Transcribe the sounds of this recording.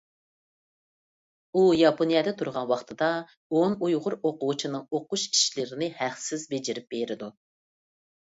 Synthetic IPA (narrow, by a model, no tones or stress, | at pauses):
ujɑpʰonijɑd̪ɛt̪ʰuɾʁɑnwɑχt̪ʰɨd̪ɑ | onujʁʊɾoqʊut͡ʃʰinɨŋoquʃi̥ʃlɪɾɪnɪhæχsɪzbed͡ʒɪɾɪp̚beɾɪd̪u